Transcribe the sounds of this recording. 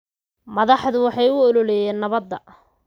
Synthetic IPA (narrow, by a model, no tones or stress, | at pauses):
mɐðɑħðʊwɑħɑjʊɔlɔlɛjɛːnːɐβɐd̪ːɐ